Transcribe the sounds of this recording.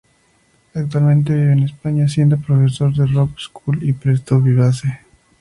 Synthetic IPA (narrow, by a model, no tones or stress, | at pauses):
ak̚t̪walmẽ̞nt̪̬e̞βiβenespaɲas̬je̞nd̪opɾofeso̞ɾðerokskʰulipɾest̪oβiβas̬e